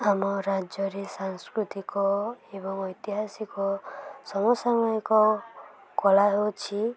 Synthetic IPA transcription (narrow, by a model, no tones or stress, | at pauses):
amɔɾad͡ʒɔɾesaŋskɾut̪ikɔebɔŋɔjt̪iɦasikɔsɔmɔsamɔjɔkɔ | kɔlaɦewt͡ʃʰi